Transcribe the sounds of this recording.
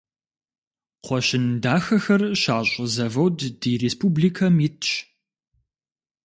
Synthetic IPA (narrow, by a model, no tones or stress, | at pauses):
qʷɔɕɪndaːxɐxɐrɕaːɕʼzɐvɐwddiːreːspuːbliːkʰɐmitʰɕ